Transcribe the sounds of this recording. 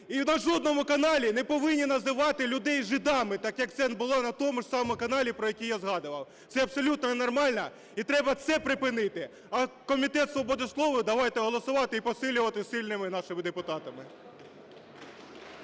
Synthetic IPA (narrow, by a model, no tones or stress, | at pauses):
iwnɐʒɔd̪̚nɔmʊkɐnɑlʲinɛpɔʋɪnʲːinɐzɪʋɑt̪ɪlʲʊd̪ɛjʒɪd̪ɑmɪt̪ɑkjɐk̚t̪sɛnbʊlˠɑnɐt̪ɔmʊʒsɑmɔmʊkɐnɑlʲipɾɔjɐkʲijazɦɑd̪ʊʋɐw | t̪sɛɐpsɔlʲut̪nɔnenɔrmɑlʲnɐ | it̪ɾɛbɐt̪sɛpɾɪpɪnɪt̪ɪ | ɐkɔmʲit̪ɛt̪sʋɔbɔd̪ɪslˠɔʋʊd̪ɐʋɑjt̪ɛɦɔlˠɔsʊʋɑt̪ɪipɔsɪlʲʊʋɐt̪ɪsɪlʲnɪmɪnɑʃɪmɪd̪epʊt̪ɑt̪ɐmɪ